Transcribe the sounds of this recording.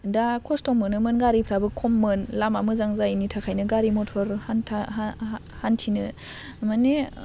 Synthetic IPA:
dakʰɔstɔmɯnɯmɯnɡaɾipʰɾabɯkʰɔmːɯnlamamɯzaŋzajnitʰakʰajnɯɡaɾimɔtʰɔɾhantʰa | hantʰinɯ | mane

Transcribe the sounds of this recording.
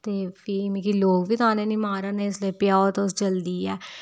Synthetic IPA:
t̪eːpʰiːmĩːkiloːɡʋiːt̪ʊɦãːneːnĩːmaːɾaːneːɪsliepjaːot̪osd͡ʒəld̪iːɛː

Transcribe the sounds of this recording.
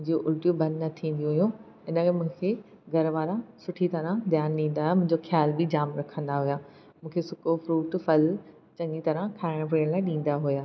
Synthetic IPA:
mʊ̃ɪ̃ɲd͡ʑoʔʊʈjuːbbɐ̃nnɐt̪ʰĩːnd̪iũɦʊjũ | ɪnə̆kmũɦɪ̃kʰe | ɡʱɐɾʋaːɾãsʊʈʰit̪ɐɾãd̪jaːnɗĩːn̆d̪aɦjamʊ̃ɦɪ̃ɲd͡ʑoxjaːlbɪd͡ʑaːmɾɐkʰə̃nd̪aɦʊjaː | mũːkʰesʊkofɾuːʈfɐl | t͡ɕɐ̃ŋit̪ɐɾãkʰaːɪɽ̃p̬ɾeːɽ̃laːɪ̃ɗĩːn̆d̪aɦujaː

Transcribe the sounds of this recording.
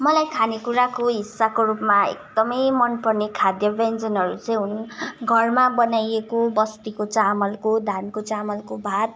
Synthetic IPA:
mʌlajkʰanekuɾakoɦisːakorupmaḛk̚d̪ʌmʌjmʌnpʌrnekʰad̪jʌbend͡zʌnɦʌɾut͡sʌj̃unɡʱʌrmabʌnajekobʌst̪ikot͡samʌlkod̪ʱankot͡samʌlkobʱat̪̚

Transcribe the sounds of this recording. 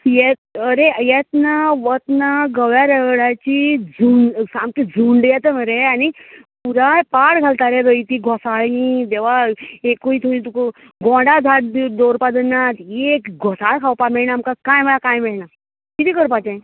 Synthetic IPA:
jɛt̪əɾejɛt̪naʋət̪naɡəʋjaɾəɡɭat͡ɕid͡zuɳsamkid͡zʱuɳɖjɛt̪əm̤əɾeanipuɾapaɽɡʱalt̪aɾɛɾəit̪iːɡʱɔsaɭĩt̪ɛʋ̤aekuit̪ʰuĩt̪uk | ɡɔ̃ɖad͡z̪ʱaʈ̚d̪oɾpad̪ənːat̪jekɡʱɔsaɭkʰawpamɛɭɳaːmkakajməlakãjmɛɭna | kit̪iːkəɾpat͡ɕã

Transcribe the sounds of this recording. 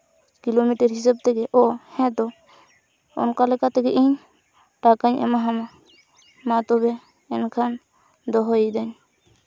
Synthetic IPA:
kilomiʈəɾɦis̬ab̚t̪ɛɡɛʔɔhɛ̃d̪ɔ | ɔ̰nkalɛkat̪ɛɡɛʔiɲ | ʈakaɲʔɛ̰maɦama | mãt̪ɔbɛː | nkʰan | d̪ɔɦɔid̪aɲ

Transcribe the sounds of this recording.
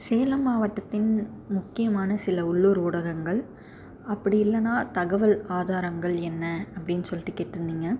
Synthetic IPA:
seːlɐmaːʋɐʈːɐt̪ːɪn | mʊkːɪjɐmaːnɐsɪlɐʊɭːoːɾuːɽɐɣɐŋɡɐɭ | ɐpːɐɽɪjɪlːɐnãːt̪ɐɣɐʋɐlaːðaːɾɐŋɡɐɭɛnːɐɐpːɐɽɪnːɯsɔlːɪʈːɯkeːʈːɾɯnd̪iːŋɡɐ

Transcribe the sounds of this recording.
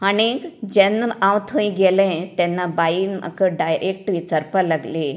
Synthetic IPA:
añikd͡ʑɛnːãwt̪ʰə̃ĩɡelɛ̃t̪ɛnːabainmʔa̰kəɖajɾʔek̚ʈʋit͡saɾpalaɡli

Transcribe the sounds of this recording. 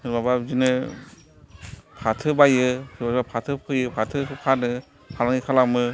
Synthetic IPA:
hɯɾbabazinɯ | pʰatʰɯbajɯɯbazbapʰatʰɯpʰɯjɯpʰatʰɯkʰanɯ | pʰalaŋikʰalamɯ

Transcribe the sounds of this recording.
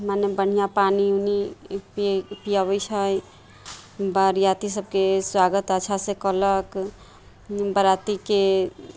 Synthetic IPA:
manebəɽ̤ijapaniunippijaβəjt͡ʃʰəj | bəɾjat̪isəb̚keswaɡət̪ət͡ʃʰasekələk | bəɾat̪ike

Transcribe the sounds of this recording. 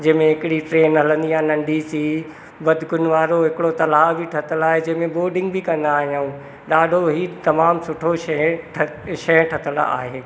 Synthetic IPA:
d͡ʑɐ̃ɦɪ̃mẽɦɪkɪɽiʈɾeːnɦɐlə̃nd̪iãːnɐ̃ɳɖʱisiː | bɐd̪ʱkʊnʋaːɾoɦɪkɪɽot̪ɐlaːbʱiʈʰɐt̪əlaːɦed͡ʑɐ̃ɦɪ̃mẽboːɾɖɪ̃ŋɡbʱɪkɐ̃nd̪aːɦijaũ | ɗaːɖʱoɦiːt̪ɐmaːmsʊʈʰoʃɐʈʰʃɐjə̃ʈʰɐt̪əl̰a̰ːɦeː

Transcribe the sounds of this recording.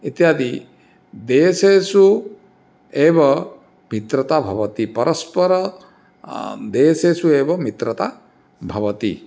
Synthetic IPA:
it̪jaːd̪i | d̪eːseːsu | eːbɐ | mit̪ɾɐt̪abʱɐʋɐt̪ipɐɾʔɐspɐɾɐ | d̪eːseːsueːbɐmit̪ɾɐt̪a | bʱɐʋɐt̪i

